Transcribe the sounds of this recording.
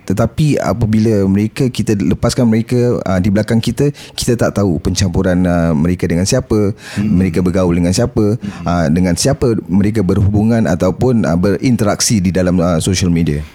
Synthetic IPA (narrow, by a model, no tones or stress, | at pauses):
t̪ət̪apia̰pəbilaməɾekakit̪aləpaskanməɾekaə̰dibəlakaŋkit̪əki̥t̪at̪aʔt̪aupəɲt͡ʃampuɾanəməɾekadəŋansiapəməɾekabəɡauldəŋãnsiapəədəŋãnsiapəməɾek̬abərhubuŋãna̰t̪awpʊnə̰bərint̪əɾaksididalaməsoʃalmẽdia